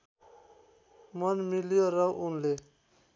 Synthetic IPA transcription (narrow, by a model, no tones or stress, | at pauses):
mʌnmiljoɾʌʔunle